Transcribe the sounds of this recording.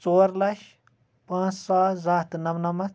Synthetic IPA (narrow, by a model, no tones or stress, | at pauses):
t͡soːɾlɐʃ | pãːt͡ssaːzaːt̪nɐʋnɐmɐd̪